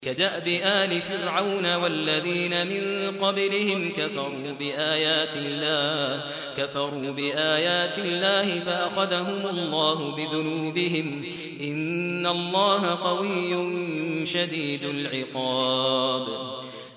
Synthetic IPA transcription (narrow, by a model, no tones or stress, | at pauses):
kad̪aʔbɪʔaːlɪfɪɾʕawnawalːaðiːnamɪnqɑblɪhɪmkafɑɾˤuːbɪʔaːjaːt̪ɪlːaːh | kafɑɾˤuːbɪʔaːjaːt̪ɪlːaːhɪfaʔaxaðaɦʊmʊlˤːɑːɦʊbɪðʊnuːbɪɦɪm | ʔɪnːalˤːɑːɦaqɑwɪjːʊnʃad̪iːd̪alʕɪqɑːb